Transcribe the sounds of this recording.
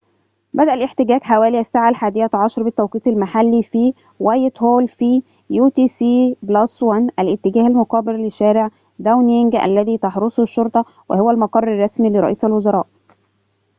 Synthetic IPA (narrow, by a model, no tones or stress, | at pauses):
bæd̪æʔælʔeħt̪ɪɡæːɡħawæːliʔæst̪aʕalħaːd̪ejːæt̪ʕɑʃɑɾˤbɪt̪ːæwqiːt̪ɪlmaħalːifi | wæːjɪt̪hoːlfi | juːt̪iːsiːblɑswænʔælʔɪt̪ːɪɡæːhælmʊqɑːbɪɾlɪʃːæːɾeʕ | d̪æwneŋɡæ̰lːæðiːt̪ɑħɾosˤʃːoɾˤt̪ˤɑ | wḛhowːælmɑqɑrˤːɑrˤːɑsmilɪɾˤɑ̰ʔiːsælwozɑɾˤɑ̰ːʔ